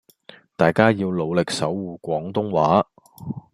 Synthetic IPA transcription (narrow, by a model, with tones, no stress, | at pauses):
t̪aː˨jkaː˥jiː˧wlo˨˧wlɪ˨k̚sɐ˨˥wːuː˨˧kʷɔː˨˥ŋt̪ʊ˥ŋwaː˨˥